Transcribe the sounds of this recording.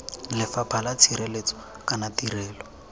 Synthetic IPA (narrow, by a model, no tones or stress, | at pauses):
lɪfapʰalat͡sʰiɾelet͡sɔ̥ | kanatirɛːlɔ